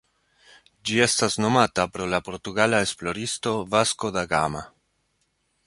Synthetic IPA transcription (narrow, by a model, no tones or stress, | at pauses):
d͡ʒie̞stasno̞matapɾo̞lapo̞ɾtuɡalaesplo̞ɾisto̞vasko̞d̪aɡama